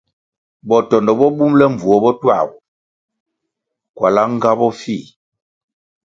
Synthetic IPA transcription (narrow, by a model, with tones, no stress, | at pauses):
bɔ˨tɔ˨ndɔ˨bɔ˦bu˦mlɛ˦ɱ˨vu˨ɔ˨bɔ˦twa̰˦˨bɔ˨ | kwa̰˨la˦ŋ˦ɡa˦bɔ˦fi˦˨